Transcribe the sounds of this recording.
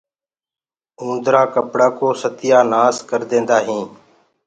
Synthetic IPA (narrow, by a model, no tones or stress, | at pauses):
ũːnd̪ɾaːkəpɽaːkoːsət̪ɪjaːnaːskəɾd̪ẽːnd̪aːɦĩː